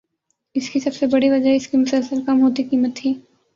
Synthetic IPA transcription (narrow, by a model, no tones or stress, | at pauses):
ɪskisɐbsebɐɽiʋɐd͡ʒaɦɛɪskimʊsəlsəlkɐmɦoːt̪ikiːmət̪ʰiː